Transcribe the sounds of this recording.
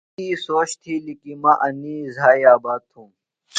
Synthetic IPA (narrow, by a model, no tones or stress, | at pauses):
iːsoːɕt̪ʰiːlikimɐʔɐniːzaːjaːbaːt̪ʰũː